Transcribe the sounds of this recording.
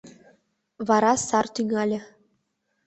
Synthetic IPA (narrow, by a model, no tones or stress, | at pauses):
βɑɾɑsɑrt̪yŋɑlʲɘ̆